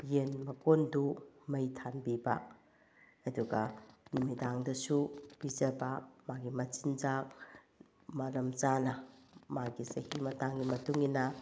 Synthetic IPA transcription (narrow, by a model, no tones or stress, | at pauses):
jenmɐkondumɐjtʰanbibɐ̰ː | duɡɐnumidaŋdɐsub̥id͡ʒɐbɐmaɡimɐt͡ʃind͡ʒak | mɐɾɐmt͡ʃanɐmaɡisɐhimɐtaŋɡimɐtuŋinɐ